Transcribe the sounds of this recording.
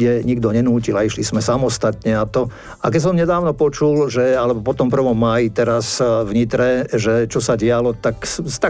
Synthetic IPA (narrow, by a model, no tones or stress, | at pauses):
ɛɲiɡd̪ɔɲɛnuːcilaiʃlismɛsamɔst̪at̪ɲɛat̪ɔ | akɛcs̬ɔmɲɛd̪aːʊnɔpɔt͡ʃulʒɛalɛbɔpɔt̪ɔmpr̩ʋɔmːaːjit̪ɛɾasvɲit̪ɾɛʒɛt͡ʃɔsaɟɪalɔt̪aksst̪a